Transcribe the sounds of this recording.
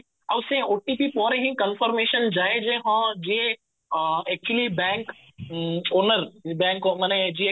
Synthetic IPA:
ɐbʊsẽoːʈipipɔːɾeɦĩkənfɔɾmeːʃənd͡ʒaːed͡ʒeːɦãd͡ʒie | ɛːk̚t͡ʃuəlibɛ̃ːŋk | oːnəɾbɛ̃ːŋkomɛːned͡ʒie

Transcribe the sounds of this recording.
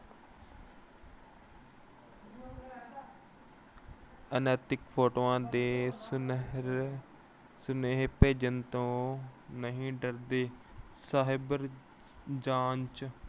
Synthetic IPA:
ənaːt̪ɪkpʰoːʈoːãːd̪eː | sʊneɦpeːd͡ʒənt̪õːnəɦĩːɖəɾd̪eːsaɦɪbəɾ | d͡ʒaːnt͡ʃ

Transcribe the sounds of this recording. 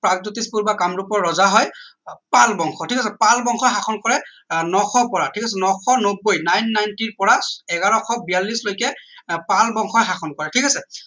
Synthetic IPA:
pɹaɡ̚dutispuɹbakamɹupɔɹːɔzaɦɔjpalbɔŋxʰɔtʰikasɛpalbɔŋxɔxaxʰɔnkɔɹɛ | nɔxʰɔpɔɹatʰikasɛnɔxʰɔnobːojnajnːajntiɹpɔɹaɛɡaɹɔxʰɔbijalːislojkɛpalbɔŋxʰɔjxaxʰɔnkɔɹɛtʰikasɛ

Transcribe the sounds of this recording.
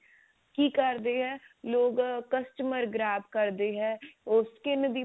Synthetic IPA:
kiːkəɾd̪eːɦɛ̃ːloːɡkəsʈməɾɡɾaːbkəɾd̪eːɦɛ̃ːʊskɪnd̪iː

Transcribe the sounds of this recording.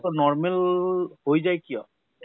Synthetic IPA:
t̪ɔnɔɹmelhojzajkijɔ

